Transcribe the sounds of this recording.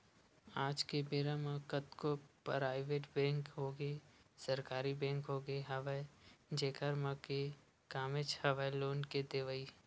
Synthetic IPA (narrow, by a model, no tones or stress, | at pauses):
aːd͡ʒkebeːɾãmãkət̪kopɾaːɪʋeːʈbɛ̃ːŋkɦoːɡəesəɾkaːɾibɛ̃ːŋkɦoːɡəeɦɐʋed͡ʒeːkəɾmãke | kaːmet͡ʃhɐʋaeloːnked̪eʋəi